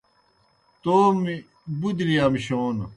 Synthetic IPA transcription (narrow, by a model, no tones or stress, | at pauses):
t̪oːmi | bud̪lijamɕoːn